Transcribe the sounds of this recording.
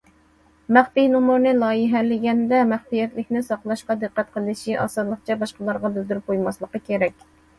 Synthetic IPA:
mæχt̪ijnumuɾnɨlˠɑːjəɦæɾlɪɡʲɛnd̪ɛmæχt̪ijɛt̪lɪkʲnɪsɑqlˠɑʃqɑd̪ɨqːæt̪̚qʰəlˠɨʃiʔɑ̰sɨd̪lˠəqt͡ʃʰɛbɑʃqəlˠɑɾʁɑbɪzd̪yɾyp̚qojmɑslˠəqəkʲeɾɛkʲ

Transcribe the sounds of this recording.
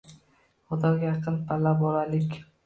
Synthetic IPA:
χʊd̪ɒjɑqʰɨnpʰalːabɒlalɪkʲ

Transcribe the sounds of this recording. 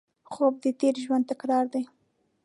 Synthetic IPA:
xob̚d̪ət̪eɾʒwand̪̚t̪akɾɑɾd̪aj

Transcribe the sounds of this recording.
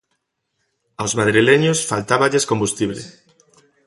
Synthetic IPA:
awzmaðɾileɲosfalt̪aβaʎeskombust̪iβlḛ

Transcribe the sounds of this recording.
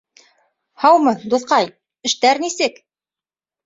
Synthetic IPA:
hɑwmɤd̪ŏθqɑj | ɘ̆ʃt̪æɾnisɘk

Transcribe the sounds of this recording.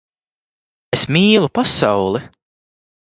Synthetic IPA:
esmiːlˠupasawlˠi

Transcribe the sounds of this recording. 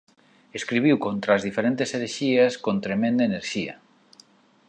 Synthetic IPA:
eskɾiβiwkont̪ɾaːzðifeɾent̪eseɾeʃiaskont̪ɾemẽnd̪aeneɾʃiɐ̰

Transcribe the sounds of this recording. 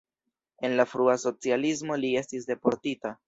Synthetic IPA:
e̞nlafɾuaso̞t͡sialis̬mo̞lie̞stis̬de̞po̞ɾtita

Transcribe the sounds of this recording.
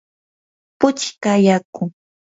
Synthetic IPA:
pʊt͡ʃkajakʊ

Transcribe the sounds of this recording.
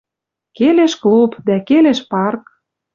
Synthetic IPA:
keleʃklupd̪ækeleʃpɑrk

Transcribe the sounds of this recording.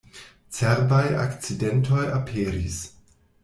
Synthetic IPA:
t͡seɾbaja̰kt͡sidentʰojapʰeːɾis

